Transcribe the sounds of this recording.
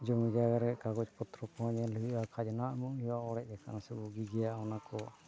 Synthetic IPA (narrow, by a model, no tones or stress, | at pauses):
d͡ʒɔmid͡ʒaɡaɾɛʔkaɡɔt͡ʃpɔt̪ɾɔkɔaɲaluuʔakʰad͡ʒnaʔmuʔhiwaɔɽɛc̚ɛka̰nasɛbuɡiɡɛjaʔɔnakɔ